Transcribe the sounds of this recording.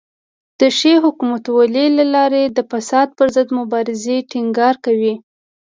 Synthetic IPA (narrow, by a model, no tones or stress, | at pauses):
d̪̥əʃeɦʊkumat̪walelalɑɾed̪əfasɑd̪̚pəɾzəd̪mʊbɑɾɪzeʈiŋɡɑɾkawi